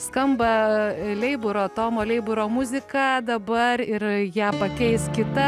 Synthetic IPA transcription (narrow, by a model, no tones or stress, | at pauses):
skɐmbɐlʲɛɪbʊɾoːt̪oːmoːlʲɛɪbʊɾoːmʊzʲɪkɑːd̪ɐbɐɾɪɾjæːpɐkʲɛɪskʲɪt̪ɐ